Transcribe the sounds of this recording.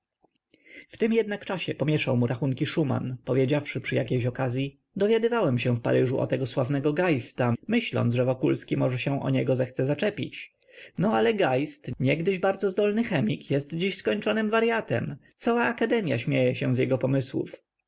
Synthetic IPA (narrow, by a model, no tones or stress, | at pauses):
ft̪ɘmjɛd̪nakt͡ʂaɕɛpɔmʲjɛʂawmuɾʔaxuŋkʲiʂuma̰npɔvʲjed͡ʑafʂɘpʂɘjakʲejɕɔkazʲji | d̪ɔvʲjad̪ɘvawɛmɕɛ̃fpa̰ɾɘʐuʔɔ̰t̪ɛɡɔswavnɛɡɔɡajst̪amɘɕlɔ̰nt̪ʐɛvɔkulskʲimɔʐɛɕɛ̃ʔɔ̰ɲɛɡɔzɛxt̪sɛzat͡ʂɛpʲḭt͡ɕ | nɔalɛɡajst̪ɲɛɡd̪ɘʑbaɾd̪zɔzd̪ɔlnɘxɛmʲikjɛst̪d͡ʑiɕskɔɲt͡ʂɔnɘmvaɾjat̪ɛ̰mt̪sawaːkad̪ɛmʲja̰ɕmʲejɛɕɛ̃zjɛɡɔpɔmɘswṵf